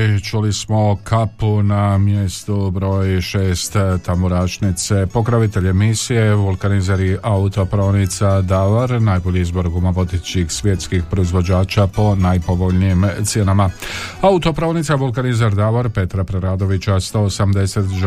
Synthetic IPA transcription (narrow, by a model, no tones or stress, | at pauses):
t͡ʃulismo̞kʰapunamje̞st̪ubɾo̞ːjʃeːst̪t̪amoɾaːt͡ʃnit̪sepo̞kɾaʋit̪e̞ʎe̞misije̞ʋulˠkanizaɾiʔaut̪o̞pɾanit̪sad̪aʋaɾnajboʎiizbo̞ɾɡumaʋo̞d̪et͡ʃixsʋjet̪skixpɾo̞izʋo̞d͡ʑaːt͡ʃapo̞najpo̞ʋo̞ʎniːmt̪sje̞namaaut̪o̞pɾanit̪saʋulˠkanizaɾd̪aʋaɾpe̞t̪ɾapɾeɾaːd̪o̞ʋit͡ɕast̪o̞ːsamd̪e̞set̪ʒ